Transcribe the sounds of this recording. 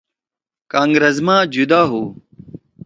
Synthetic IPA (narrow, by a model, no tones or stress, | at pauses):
kãːŋɡɾɐzmãːd͡ʑud̪aːɦuː